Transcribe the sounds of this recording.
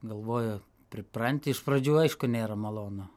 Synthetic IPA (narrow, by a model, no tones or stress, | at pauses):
ɡɐlˠʋoːjʊ | pʲɾʲɪpɾɐnʲt̪ʲɪɪʃpɾɐd͡ʒʲuːɐɪʃkʊnʲeːɾɐmɐlˠoːno